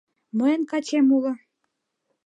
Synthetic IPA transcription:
məjənkɑt͡ɕemulə̆

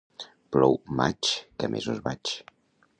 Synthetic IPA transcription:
plɔwmat͡ʃkəmʔezuzβat͡ʃ

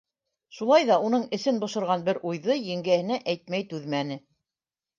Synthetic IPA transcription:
ʃulˠɑjðɑunɤɴɘ̆sɘnbŏʃɤ̆ɾʁɑnbɘɾʔujðɤjɘ̆ŋɡæhɘ̆næʔæjt̪̚mæjt̪ʉðmænɘ

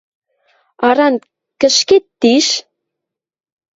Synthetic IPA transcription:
ɑɾɑn | kə̆ʃket̪ːiʃ

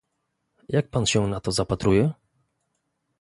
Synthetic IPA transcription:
jʔak̚panɕɛnat̪ɔzapat̪ɾujɛ

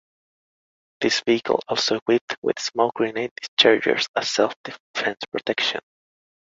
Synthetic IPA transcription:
ðɪsviɨkʰə̰l̩ˠɔlˠsoʊkwɪp̚twɪ̰ð̥smolɡɹĩnet̚dɪ̥st͡ʃʰɑɹd͡ʒə̰˞sə̥sɛlˠfd̪̥ɪfɛ̃nspʰɹ̥ɔtʰɛkʃɨ̰̃n

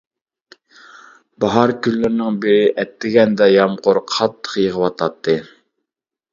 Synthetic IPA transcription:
bɑɦɑɾkʲylːyɾnɪŋbɪɾɪʔɛt̪ːɪɡʲɛnd̪ɛjɑmqʊɾqʰɑt̪ʰːə̥χjəʁəwɑt̪ʰɑt̪ʰːɨ

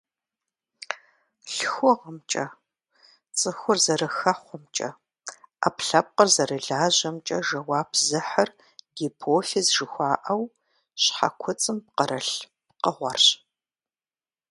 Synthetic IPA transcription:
ɬxʷɔʁəmt͡ʃʼɐ | t͡sʼɨxʷʊrzɐɾɐxɐχʷɔmt͡ʃʼɐ̰ | a̰pɬɐp̚qərzɐrɨɮaːʑɐmt͡ʃʼɐʒɐwaːpʰzɨħɐr | dipʰoːfizʒɨxʷɑːʔɐw | ɕħa̰kʷʰʊt͡sʼɨmp̚qəɾɐɬ | p̚qəʁʷɔrɕ

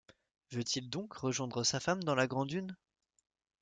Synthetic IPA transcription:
vøt̪ild̪ɔ̃kʁəʒwɛ̃d̪ʁəsafamd̪ɑ̃laɡʁɑ̃d̪yn

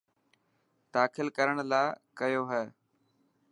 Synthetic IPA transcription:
d̪aːkʰɪlkəɾəɽ̃laːkɐjoːɦɛː

